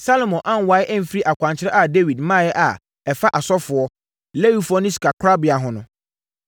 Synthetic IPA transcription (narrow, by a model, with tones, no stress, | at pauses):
sa˦lo˨mɔ̃˨ʔã˦˨n˨wa˨˦ɪ˦ʔɛ˦m̩˦fi˦ɾi˦ʔa˨kʷʰã˨ɲt͡ɕʰɪ˦ɾɛ˦ʔa˨de˦wi˨dmãː˦˨jɛ˦ʔa˨ | ɛ˨fa˦ʔa˨sɔ˦fʊ˨ɔ˦ | le˦wi˦fʊ˦ɔ˦nɪ̃˦ska˨kʰa˦bɪ˨a˨ɦʊ̃˨nʊ̃˦